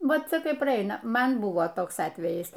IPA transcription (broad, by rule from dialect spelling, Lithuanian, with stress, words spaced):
ˈʋɐt ˈt͡sʲɛ ˈkɐɪ prɐˈɐɪnɐ ˈmɐn ˈbʊʋoː ˈtoːks ˈɑːtʲʋʲɛjɪs